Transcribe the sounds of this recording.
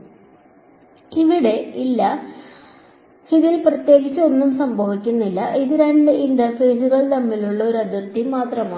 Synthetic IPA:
iʋiɽe̞ilːɐ | hiðilprɐt̪je̞ːɡit͡ɕːɨo̞nːumsɐmbʱɐʋikʲːunːilːɐʔiðiɾaɳɖeʔindɐrfe̞ːsuɣɐɭt̪ɐmːiluɭːɐo̞ɾɐd̪ɐrt̪ːimaːt̪rɐmaː

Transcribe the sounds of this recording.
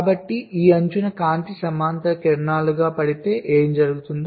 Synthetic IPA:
bɐʈːiʔiːɐɲt͡ʃunɐkaːnt̪isɐmaːnt̪ɐkeɾɳaːluɡaːpɐɽit̪e̞ːʔeːmd͡ʒɐɾuɡut̪und̪

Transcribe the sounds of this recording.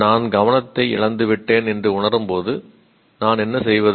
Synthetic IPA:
naːnɡɐʋɐnɐt̪ːɐɪɪ̰ɭɐnd̪ɯʋɪʈːeːnɛndrɯʊɳɐɾɯmpoːðɯ | naːnɛnːɐsɛjʋɐð

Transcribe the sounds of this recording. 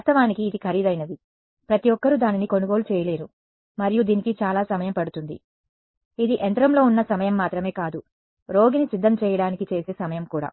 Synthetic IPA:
at̪ɐʋaːnikiːd̪ikʰɐɾid̪ɐjnɐd̪i | pɾɐt̪ijɔkːɐɾud̪aːniniko̞nuɡo̞ːlut͡ʃɛːjɐle̞ːɾu | mɐɾijud̪iːnikit͡ʃaːlaːsɐmɐjɐmpɐɽut̪und̪ḭ | id̪iʔɛnt̪ɾɐmlo̞ːunːɐsɐmɐjɐmːaːt̪ɾɐme̞ːkaːd̪u | ɾo̞ːɡinisid̪ʱːɐmt͡ʃɛːjɐɽaːnikit͡ʃe̞ːse̞ːsɐmɐjɐmkuːɽa̰ː

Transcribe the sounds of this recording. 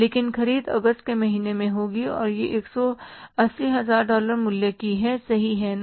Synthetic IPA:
leːkɪnkɐɾiːd̪ɐ̰ɡəst̪̚kemɐɦiːnemẽɦoːɡiɔ̰ːɾjeʔeːksɔɐsːiɦɐzaːɾɖɔːləɾmʊljakiɦɛsɐɦiɦɛ

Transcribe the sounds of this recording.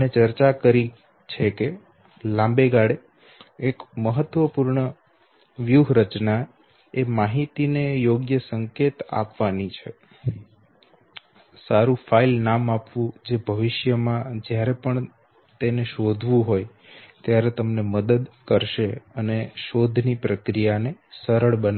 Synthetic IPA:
net͡ʃəɾt͡ʃakəɾi | t͡ʃʰeke | lãmbeɡaɽe | ekməɦət̪ʋəpuɾɳə | ʋjuɦɾət͡ʃna | emaɦit̪inejoɡjəsəŋket̪a̰pʋanit͡ʃʰe | saɾũfʰailnamapʋũd͡ʒebʱəʋɪʃjəmãd͡ʒjaɾepəɳ | t̪eneʃod̪ʱʋũɦoj | t̪jaɾet̪əmneməd̪əd̪kəɾʃeəneʃod̪ʱnipɾəkɾijanesəɾəɭbəna

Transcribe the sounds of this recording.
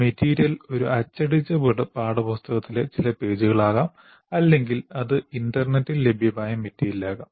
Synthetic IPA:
metʰːiːɾjɐlo̞ɾuʔɐt͡ɕːɐɽit͡ɕːɐbɨɽɨpaːɽɐpɐst̪ɐɣɐt̪ːilet͡ɕilɐpe̞ːd͡ʑuɣɐɭaːɣaːm | ɐlːe̞ŋɡilɐðɨinɖɐrnetːille̞bʱjɐpaːjɐmetːiːjɐlːaːɣaːm

